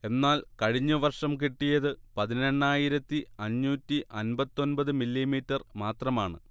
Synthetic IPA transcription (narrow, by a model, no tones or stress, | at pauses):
e̞nːaːlkɐɻiɲːuʋɐrʂɐmkiʈːijɐðɨpɐðine̞ɳːaːjiɾɐt̪ːiɐɲːuːtːiʔɐnbɐt̪ːo̞nbɐðɨmilːimiːtːɐrmaːt̪rɐmaːɳɨ̰